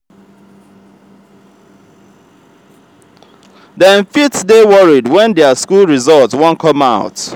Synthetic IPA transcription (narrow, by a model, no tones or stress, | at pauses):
dɛ̃nfitsdewɔɹidwɛ̃ndɛəskulˠɹizɔlˠtswɔ̃nkʰɔmaʊt